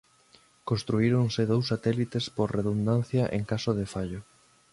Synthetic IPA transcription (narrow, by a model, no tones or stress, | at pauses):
konst̪ɾuiɾoŋsɪðowsːat̪ɛlit̪espoɾreðund̪an̟θjɐʔḛŋkasoðefaʎʊ